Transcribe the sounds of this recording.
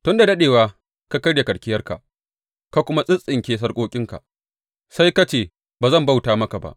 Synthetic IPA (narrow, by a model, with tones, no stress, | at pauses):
tʊ˦nda˨dɐ˦ɗeː˨waː˦ | ka˦kɐ˦rda˨kɐ˨ɽkʲɪ˦jɐ˦rka̰˨ʔ | ka˦kʷʊ˦ma˦sʼɪ˦sʼɪ˨ŋkʲeː˦s̬ɐ˦rkʷʼoː˦kʲʼɪ˦ŋka̰˨ | sa˦jka˦t͡ʃeː˦˨ | baː˨zɐ˦mba˦˨wtaː˨˦mɐ˦ka˨ba̰˦ʔ